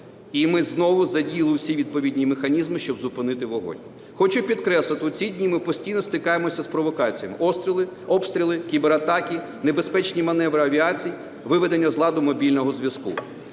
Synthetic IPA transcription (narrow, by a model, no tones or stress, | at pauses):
imɪznɔʋʊzɐdʲijlˠɪwsʲiʋʲid̪̚pɔʋʲid̪ʲnʲimexɐnʲizmɪʃt͡ʃɔbzʊpɪnɪt̪ɪʋɔɦɔ̰nʲ | xɔt͡ʃʊpʲid̪kɾɛslˠɪt̪ɪʊt͡sʲidʲnʲimɪpɔsʲtʲijnɔst̪ɪkɑjemɔsʲɐspɾɔʋɔkɑt͡sʲijɐmɪ̰ɔst̪ɾʲilˠɪ | ɔpst̪ɾʲilˠɪkʲibeɾɐt̪ɑkʲi | nebespɛt͡ʃnʲimɐnɛʋɾɪɐʋʲiɑt͡sʲiji | ʋɪʋed̪enʲːɐzlˠɑd̪ʊmɔbʲilʲnɔɦɔzʲʋʲjɐskṵ